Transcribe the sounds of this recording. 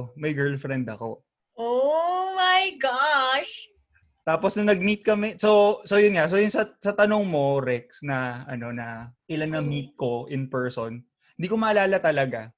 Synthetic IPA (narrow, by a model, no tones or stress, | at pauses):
mɐjɡɛɹlfɾɛnd̪ɐko̞̰ | ʔomajɡaʃ | t̪aːposnɐnɐɡ̚miːt̪̚kɐmɛso̞sojʊnŋas̬ojʊnsɐsɐt̪ɐnoŋmo̞ɾɛk̚snɐɐno̞nɐʔɪlanːɐmit̪̚ko̞ʔɪnpɛɹson | hɪnd̪iːko̞mɐʔɐlaːlɐt̪ɐlɐɡa